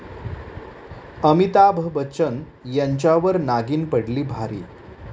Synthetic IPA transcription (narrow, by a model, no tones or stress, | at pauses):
əmit̪abʱbət͡ɕən | jaɲt͡ɕjaʋəɾnaɡiːnpəɽliːbʱaɾḭː